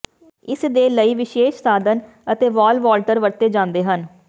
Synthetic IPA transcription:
ɪsd̪eːləiːʋɪʃeːʃsaːd̪ən | ət̪eːʋaːlʋaːlʈəɾʋəɾt̪eːd͡ʒãːnd̪eːɦən

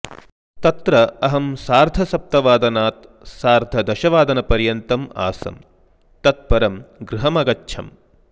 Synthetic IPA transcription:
t̪ɐt̪ɾɐɐɦɐmsaːɾd̪ʱɐsɐp̚t̪ɐʋaːd̪ɐnaːt̪ | saːɾd̪ʱɐd̪ɐʃɐʋaːd̪ɐnɐpɐɾjɐnt̪ɐma̰ːsɐ̰m | t̪ɐt̪̚pɐɾɐmɡɾɪɦɐmɐɡɐtːʃʰɐ̰m

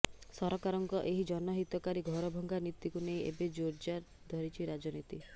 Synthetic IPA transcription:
sɔɾɔkaɾɔŋkɔʔeɦid͡ʒɔnɔɦit̪ɔkaɾiɡʱɔɾɔbʱɔŋɡanit̪ːikunej̃ḛbed͡ʒoɾd͡ʒaɾ | d̪ʱɔɾit͡ʃʰiɾad͡ʒɔnit̪i

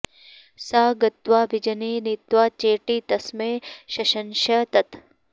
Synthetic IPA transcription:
saːɡɐt̪ʋaːbɪd͡ʒɐneːnit̪ʋaːt͡ʃeːʈiːt̪ɐsmeːʃɐʃɐnʃɐt̪ɐt̪

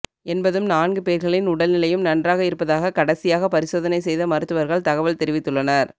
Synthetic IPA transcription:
ɛnbɐðɯmnaːnɡɯpeːɾɣɐɭɪnʊɽɐlnɪlɐjɯmnɐndraːɣɐɪɾɯpːɐðaːɣɐkɐɽɐsɪjaːɣɐpɐɾɪsoːðɐnɐɪsɛjðɐmɐɾɯt̪ːɯʋɐɾɣɐɭt̪ɐɣɐʋɐɭt̪ɛɾɪʋɪt̪ːɯɭːɐnɐɾ

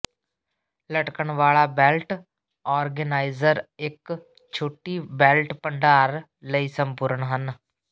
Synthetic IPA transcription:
ləʈkəɳʋaːɭaːbɛːlʈ | ɔːɾɡənaːɪzəɾɪk | t͡ʃʰoːʈiːbɛːlʈpəɳɖaːɾ | ləiːsəmpʊɾəɳɦən

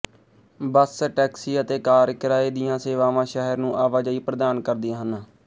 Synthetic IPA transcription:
bəsʈɛːksiːət̪eːkaːɾkɪɾaːeːd̪ɪjãːseːʋaːʋãːʃəɦəɾnũːʔaːʋaːd͡ʒəiːpɾəd̪aːnkəɾd̪ɪaːɦən

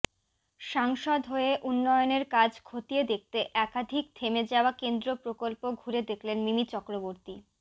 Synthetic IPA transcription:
ʃaŋʃod̪ɦoeʔunːɔjoneɾkad͡ʑkʰot̪ied̪ek̚t̪eʔɛkad̪ʱikt̪ʰemed͡ʑaoakend̪ɾopɾokolpoɡʱuɾed̪ekʰlenmimit͡ɕɔkɾoboɾt̪i

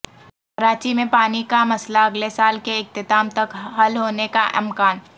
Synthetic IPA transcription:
ɐɾaːt͡ʃimẽpaːnikamɐslaɐɡlesaːlkeɪk̚t̪ɪt̪aːmt̪ɐkɦɐlɦoːnekaʔɪmkaːn

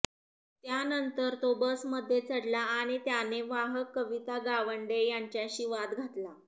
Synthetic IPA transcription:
t̪janənt̪əɾt̪obəsməd̪ʱːjet͡səɽlaaɽ̃it̪janeʋaɦəkːəʋit̪aɡaʋəɳɖejaɲt͡ɕjaɕiʋat̪ɡʱat̪la

